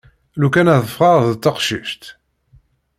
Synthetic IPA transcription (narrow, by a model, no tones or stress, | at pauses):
lukænæðˤəfʁɑðt͡s̪ːɑqʃiʃt̪